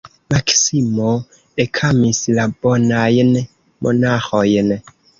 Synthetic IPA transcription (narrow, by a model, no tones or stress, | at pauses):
maksimo | ekʰamislabonajn | mʔo̰naxojn